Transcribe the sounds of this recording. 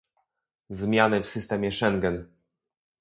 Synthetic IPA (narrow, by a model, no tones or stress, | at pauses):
zmʲjanɘfsɘst̪ɛmʲjɛʂɛŋɡɛn